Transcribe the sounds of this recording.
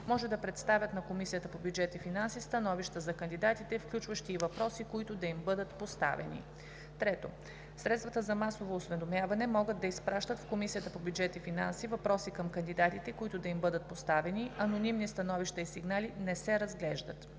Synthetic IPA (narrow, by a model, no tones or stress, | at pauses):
mɔʒɛd̪ɐpɾɛt̪st̪avʲət̪nɐkomisijət̪əpobjud͡ʒɛt̪ifinansist̪ɐnɔviʃt̪əzɐkənd̪id̪at̪it̪ɛfklʲut͡ʃvɐʃt̪iːvɐpɾɔsikoit̪ʊd̪ɐimbɤd̪ət̪post̪a̰vɛ̰nḭ | t̪ɾɛt̪o̰ | sɾɛt̪st̪vɐt̪əzɐmasovoːsvɛd̪omjavɐnɛmɔɡəd̪̚ːɐispɾaʃt̪ət̪fkomisijət̪əpobʲjud͡ʒɛt̪ifinansivɐpɾɔsikɐmkɐnd̪id̪at̪it̪ɛkoit̪ʊd̪ɐimbɤd̪ət̪̚post̪avɛniɐnonimnist̪ɐnɔviʃt̪ɐisiɡnalinɛsɛɾɐzɡlɛʒd̪ə̰t̪